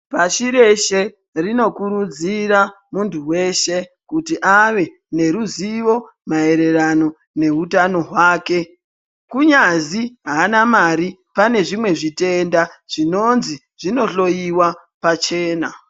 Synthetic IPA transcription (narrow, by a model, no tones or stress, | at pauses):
paʃiɾe̞ʃe̞ | rino̞kuɾud͡zira | muntʰuwe̞ʃe̞ | kutiʔaʋe̞ | ne̞ɾuziʋo̞ | mae̞ɾe̞rano̞ | ne̞ɦutano̞ɦwaːke̞ | kuɲaziɦanamaɾi | pane̞ʐimwe̞ʐite̞ndaʐ̥ino̞nzi | ʐ̥ino̞ɬo̞jiwa | pat͡ʃe̞ːna